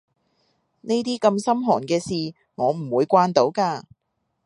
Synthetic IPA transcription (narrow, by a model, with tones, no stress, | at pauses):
ne˥t̪̬iː˥kɐ˧msɐ˥mɦɔ̰ː˨˩nkɛː˧siː˧ | ŋɔː˨˧m̩˨˩wuː˨˧jkʷaː˧nt̪o˨˥wkaː˧